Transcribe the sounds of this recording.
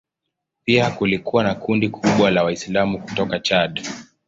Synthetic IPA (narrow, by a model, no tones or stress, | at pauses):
piakulikuwanakundikʰuɓwalawaislamuku̥tɔkat͡ʃaɗ